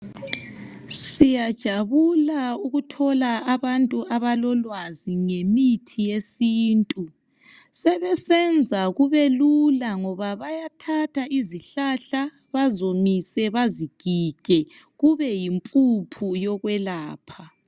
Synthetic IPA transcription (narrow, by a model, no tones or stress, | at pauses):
sijad̥ʒ̥ʱaβulauɣutʰɔlaːβantʼuaβalɔlwaziŋemitʰijesiːntʼu | sɛβɛsɛnd͡zʱaɣuβelulaŋɔβaβajatʰatʰaʔiziɬaɬa | βazomisɛβaziɡ̥ʱiɡ̥ʱɛ | ɣuβɛjimpʼupʰujɔɣwɛlaːpʰa